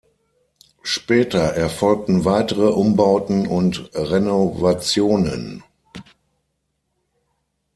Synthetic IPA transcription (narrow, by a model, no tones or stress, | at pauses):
ʃpɛːtɐʔɛɐfɔlk̚tn̩vaɪtəʁəʔʊmbaʊtn̩ʊntʁenovat͡sjoːnə̰n